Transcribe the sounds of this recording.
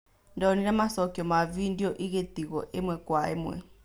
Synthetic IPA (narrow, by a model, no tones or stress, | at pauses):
ndaɔninamasɔkiɔmavindiɔʔiɣetiɣɔʔemwɛkwaemwɛ̰